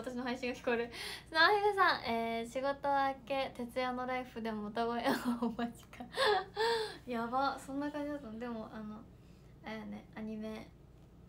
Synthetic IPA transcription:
at̪aɕino̞ɦaiɕĩŋɡakʲi̥ko̞ɾɯ̟snaːɕiɡasãŋʔeːɕiɡo̞t̪o̞ake̞t̪e̞t͡sɨjano̞ɾaiɸɯ̟d̪e̞mo̞ot̪aɡoeomad͡ʑi̥ka | jabasõ̞nːakãɲ̟d͡ʑid̪at̪and̪e̞mo̞ʔano̞ | eneaɲ̟ime̞

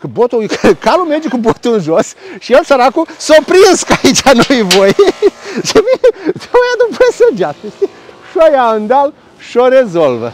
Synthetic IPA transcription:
kɨbot̪ujkkalumerd͡ʒekubot̪unʒosʃijelsəɾakusopɾinskait͡ʃʲanojvoj | ʃevid̪eojad̪upesəd͡ʒat̪est̪ʲe | ʃojaund̪al | ʃoɾezolvə

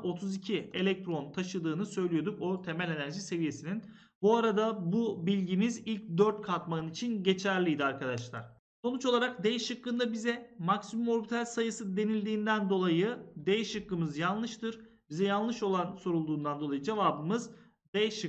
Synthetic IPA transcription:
o̞t̪ʰuzicʰie̞lʲɛc̚t̪ʰɾo̞nt̪ʰaʃɯd̪ɯːnɯsø̞jlʲijo̞d̪ukot̪ʰe̞mælʲe̞næɾʒise̞vije̞sinin | buaɾad̪abubilʲɟimizilʲc̚d̪øɾt̪̚kʰaɾt̪maɯnit͡ʃʰinɟe̞t͡ʃʰæɾlʲijd̪iaɾkʰad̪aʃlˠa̰ɾ̥ | so̞nut͡ʃo̞lˠaɾak̚d̪ejʃɯkːɯnd̪abizɛmaksimumo̞ɾbit̪ʰalʲsajɯsɯd̪e̞nilʲd̪iːnd̪ænd̪o̞lˠajɯd̪ejʃɯkːɯmɯzjanˠlˠɯʃt̪ʰɯɾ | bizɛjanˠɯʃo̞lˠanso̞ɾulˠd̪uːnd̪and̪o̞lˠajɯd͡ʒe̞vaːbɯmɯz | d̪ɛʃɯ

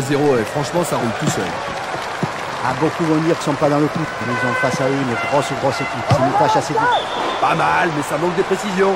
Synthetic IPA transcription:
zeʁoefχɑ̃ʃmɑ̃saʁult̪usœ̰l | abokuvɔ̃d̪iʁki̥sɔ̃pad̪ɑ̃ləkut̪mezɔ̃fasaimeɡʁɔsuɡʁɔsekʲipsinɔ̃t̪aʃaset̪i | pamalmɛsamɑ̃k̚d̪əpχesizjɔ̃

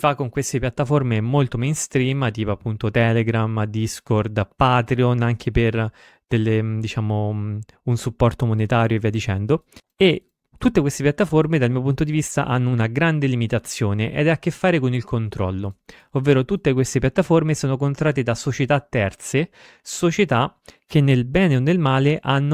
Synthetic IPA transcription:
sifakːoŋkwest̪epjat̪ːaformemolt̪omɛjnst̪ɾiːmat̪iːpoapːunt̪ot̪ɛːleɡɾamd̪iskord̪paːt̪ɾionaŋkʰeper | d̪̥elːed̪it͡ʃaːmo | unsupːɔrt̪omonet̪aːɾjoviːad̪it͡ʃɛnd̪o | e | t̪ːut̪ːekwest̪epjat̪ːaformed̪almiːopunt̪od̪ivist̪a̰ʔanːounaɡɾand̪elimit̪at̪sːjoːneʔɛ̰d̪ɛakːefːaːɾekonilkʰont̪ɾɔ̰lːo | ovːeːɾot̪ut̪ːekwest̪epjat̪ːaformesoːnokont̪ɾaːt̪ed̪asot͡ʃet̪at̪ːɛrt̪se | sot͡ʃet̪akenːelbɛːneonːelmaːleʔanːo

